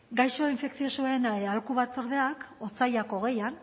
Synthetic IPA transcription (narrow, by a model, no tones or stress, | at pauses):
ɡajʃo̞iɱfe̞ksio̞suaenaealkuβat͡so̞ɾð̞e̞akot͡sajako̞ɣ̞e̞jan